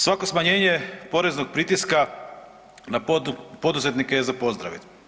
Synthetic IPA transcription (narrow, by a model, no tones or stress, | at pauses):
sʋako̞smaɲe̞ːɲe̞po̞ɾe̞znoɡ̚pɾit̪iska | napo̞d̪uze̞t̪nikejezapo̞zd̪ɾa̰ʋit̪